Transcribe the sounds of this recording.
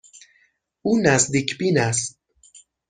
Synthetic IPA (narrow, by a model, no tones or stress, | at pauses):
uːnæzd̪iːcʰbiːnæst̪̚